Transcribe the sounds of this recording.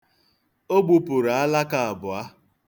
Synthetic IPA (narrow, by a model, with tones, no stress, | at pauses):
o˦ɡ͡bu˨pʊ˨ɾa˨a˦la˦ka˨a˨bʊ˨a˦